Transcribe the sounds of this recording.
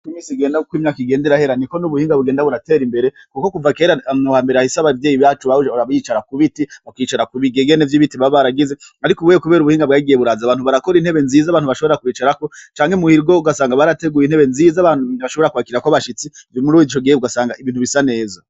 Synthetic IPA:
kimiːsiɡe̞ːndaukwiːmɲaːkiɡe̞ːndeɾahe̞ɾaniko̞nuβuhiːŋɡaβuɡe̞ːndaβuɾate̞ːɾimbe̞ɾe̞ | kukokuvake̞ːɾauwaːmbe̞ɾeaisaβaivjeːjiβjaːt͡ʃuβaaaβajiːt͡ʃaɾakuβitiβakwiːt͡ʃaɾakuβiɡeɡenevjiβitiβaβaɾaɡizeaɾikoβwejkuβe̞ːɾuβuhiːŋɡabɡaiɡijeβuɾazaβaːn̥uβaɾako̞ɾinhe̞βe̞nziːzaβaːnhuβaʃo̞βoɾɾakwiːt͡ʃaɾako̞t͡ʃaːŋhemuhiɾɡouɡasaːŋɡaβaɾate̞ɡuːjinhe̞βe̞nzizaβanuniβaʃoβo̞ɾakuwaːkiɾakoβaʃit͡sivomuɾuzit͡ʃoɡijuɡasaːŋɡaiβiːn̥uβisane̞ːza

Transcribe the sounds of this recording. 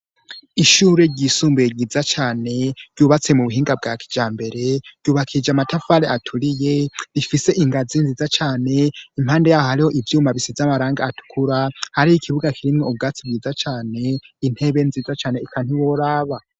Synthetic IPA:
iʃuːɾe̞ɾɟisuːmbujeɟiːzat͡ʃaːne̞ɾɟuːβat͡se̞muβuɦiːŋɡab̚ɡakʰi̥d͡ʒaːmbe̞ɾe̞ɾɟuːβakʰid͡ʒamatafaɾeatʰuɾije̞ɾifise̞ʔiŋɡazinzizat͡ʃaːne̞im̥haːnde̞jaːhohaɾiho̞ʔivjuːmaβisizamaɾaːŋɡaːtʰu̥kʰuɾahaɾijikʰiβuɡakʰiɾimŋoub̚ɡaːt͡sib̚ɡiːzat͡ʃaːne̞in̥he̞βe̞nziːzat͡ʃaːne̞ikʰan̥iwoɾaːβa

